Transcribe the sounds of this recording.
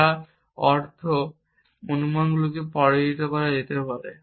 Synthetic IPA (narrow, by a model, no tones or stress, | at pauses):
a | ɔɾt̪ʰo | monumanɡulokepɔɽeit̪epaɾad͡ʑet̪epaɾḛ